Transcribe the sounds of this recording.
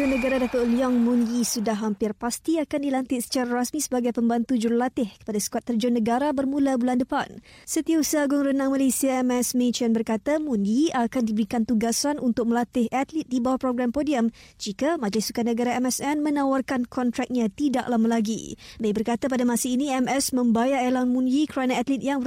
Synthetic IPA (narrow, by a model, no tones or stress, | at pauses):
anəɡaɾadapat̪̚liɔŋmunɡisudaɦːampɪrpast̪iakandilant̪ɪt̪̚sə̥t͡ʃaɾaɾasmĩsəbaɡajpəmbant̪ud͡ʒuɾlat̪ɪhkə̥padasə̥kuat̪ːərd͡ʒʊnːəɡaɾabərmũlabulandəpansət̪iausaaɡʊŋrənãŋmalesiaɛmɛsmet͡ʃanbərkat̪amunɡiakandibəɾikant̪uɡasanunt̪ʊk̚məlat̪ɪhʔat̪lɪt̪̚dibawahpɾoɡɾampodiəmd͡ʒikamad͡ʒlɪsukanəɡaɾaɛmɛsɛnmə̃nawarkankʰɔnt̪ɾɛk̚ɲãt̪ida̰ʔlamalaɡḭdaibərkat̪apadamasainiɛmɛsmə̃mbajaelanmũndikɾanaat̪lit̪̚jaŋbə